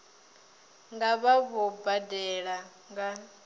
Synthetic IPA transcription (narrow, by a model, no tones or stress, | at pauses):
ŋɡaβaβɔbadɛɺa | ŋɡa